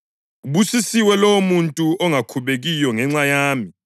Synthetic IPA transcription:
uβusisiwɛlomuntʼuɔŋakʰuβeɣijɔŋɛŋ͡ǀajaːmi

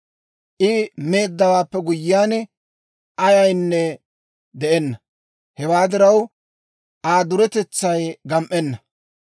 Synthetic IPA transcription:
ʔɪme̞ːd̪ːɐwaːpːɛɡʊjːɪaːn | ʔɐjɐjnːɛ | d̪ɛʔɛnːɐ | hɛwaːd̪ɪɾɐw | ʔaːd̪ʊɾɛt̪ɛt͡sːɐjɡɐmʔɛnːɐ

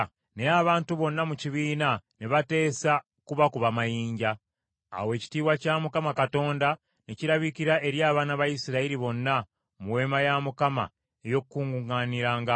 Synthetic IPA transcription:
neaβaːntuβo̞nːamuciβiːnaneβate̞ːsa | kuβakuβamajiːɲɟa̰ː | we̞ːci̥tiːwacaːmukamakato̞ːnda | neciɾaβikiɾaʔe̞ɾjaːβaːnaβaisiɾaiɾiβo̞nːa | muwe̞ːmajamukama̰ | ejo̞kukːuːŋɡuŋaniɾaːŋɡa

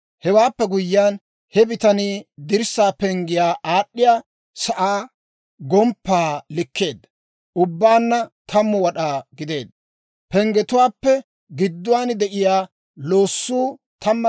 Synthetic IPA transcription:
hɛwaːpːɛɡʊjːan | hɛbɪt̪ɐniːd̪ɪɾsːaːpɛŋɡɪjaːʔaːɗːɪjaː | sɐʔaː | ɡɔmpːaːlɪkːe̞ːd̪ɐ | ʔʊbːaːnːɐt̪ʰɐmːɔwɐɗaːɡɪd̪e̞̰ːd̪ːɐ | pɛŋɡɛt̪ʊwaːpːɛ | ɡɪd̪ːʊwaːnd̪ɛʔɪjaː | lo̞ːsːuː | t̪ʰɐmːɐ

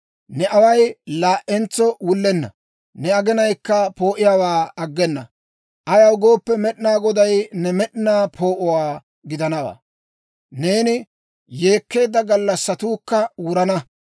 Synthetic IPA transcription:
nɛʔɐwɐjlaːʔɛnt͡sːɔwʊlːɛnːɐ̰ | nɛɐɡɛnɐjkːɐpo̞ːʔɪjaːwaːɐɡːɛnːɐ̰ | ʔɐjɐwɡo̞ːpːɛmɛɗɪnaːɡɔd̪ɐjnɛmɛɗnaːpʰo̞ːʔʊwaː | ɡɪd̪ɐnɐwa̰ː | ne̞ːnɪ | je̞ːkːe̞ːd̪ːɐɡɐlːɐsːɐt̪uːkːɐwʊɾɐnɐ

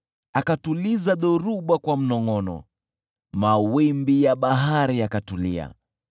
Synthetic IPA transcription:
akatulizaɗɔɾuɓakwam̩nɔŋɔnɔ̰ | mawimbijaɓaɦaɾiakatulḭa̰

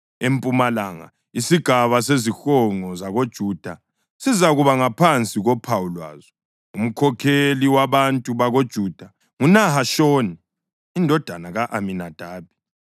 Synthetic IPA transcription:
empʼumalaːŋa̰ | isiɡ̥ʱaβas̬ezixɔŋɔzaɣod̥ʒ̥ʱuːd̥ʱa | sizaɣuβaŋapʰant͡sʼiɣɔpʰawulwa̰ːzɔ | um̩kʰɔkʰeliwaβantʼuβaɣod̥ʒ̥ʱuːd̥ʱa | ŋunaɦaʃɔːniː | ndʱɔd̥ʱanaɣaʔaminad̥ʱaːb̚ʱi̥

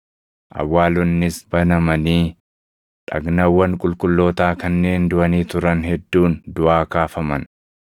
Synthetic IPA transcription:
ʔɐ̰wːaːlɔnːɪsbɐnɐmɐniː | ᶑɐ̰ɡnɐwːɐŋkʼʊlkʼʊlːo̞ːt̪aːkɐnːe̞ːnd̪ʊʔɐniːt̪ʊɾɐnhɛd̪ːuːnd̪ʊʔaːkaːfɐmɐn

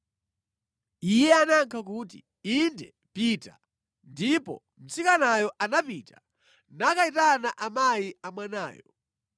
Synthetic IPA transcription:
ijɛanaŋkʰak̬utḭ | indɛ | pita | ndipɔ̰ | m̩sikanajɔʔanapita | nakaitanaʔamajiamwanaːjɔ

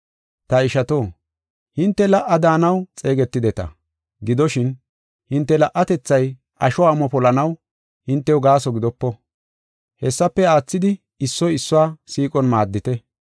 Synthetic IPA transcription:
t̪ɐɪʃɐt̪oː | hɪnt̪ːɛlɐʔːɐd̪aːnɐwt͡sʼe̞ːɡɛt̪ːɪd̪ɛt̪ɐ̰ | ɡɪd̪ɔʃɪn | hɪnt̪ːɛlɐʔːɐt̪ɛt͡sːɐj | ɐʃɔwaːmɔpɔlɐnɐw | hɪnt̪ːɛwɡaːsɔɡɪd̪ɔpːɔ | hɛsːɐpːɛaːt͡sːɪd̪ɪ | ɪsːɔjɪsːʊaːsiːkʼɔnmaːd̪ːɪt̪ɛ

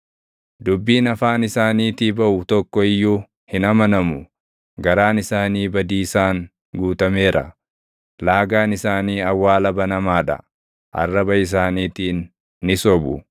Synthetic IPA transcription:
d̪ʊbːiːnɐfaːnɪsaːniːt̪ibɐʔʊt̪ɔkːɔɪjːuː | hɪnɐmɐnɐmʊ | ɡɐɾaːnɪsaːniːbɐd̪iːsaːŋ | ɡuːt̪ɐme̞ːɾʔɐ̰ | laːɡaːnɪsaːniːɐwːaːlɐbɐnɐmaːᶑɐ̰ | ʔɐ̰rːɐbɐɪs̬aːniːt̪iːnː | ɪsɔbʊ

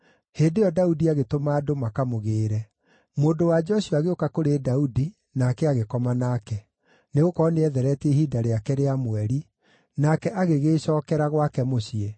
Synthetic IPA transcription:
heːndejɔdaudiaɣetomaːdomakamoɣeːɾɛ | moːndowad͡ʒɔɕuaɣeokakoɾedaudi | nakɛaɣekɔmanakɛ | neɣokɔneɛðɛɾɛtehiːdaɾeakɛɾeamwɛɾi | nakɛʔaɣeɣeːɕɔːkɛɾaɣwakɛmoɕie

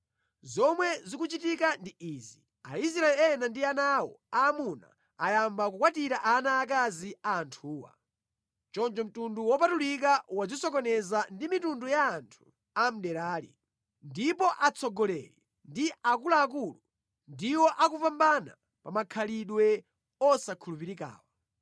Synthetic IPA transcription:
zɔmwɛzikut͡ʃitikandiizi | ais̬ɾaɛlɛnandianawɔ̰aːmuna̰ | ajambak̬ukwatiɾaʔanaːk̬aziaːntʰuːwa̰ | t͡ʃɔnt͡ʃɔm̩tunduwɔpatulikawad͡zisɔkɔnɛzandimitundujaːntʰu̥ | am̩ɗɛɾaːlḭ | ndipɔʔat͡sʰɔɡɔlɛ̰lɛ | ndiakulaːkulu | ndiwɔʔakupambana̰ | pamakʰaliɗwɛ | ɔsakʰulup̬iɾika̰ːwa

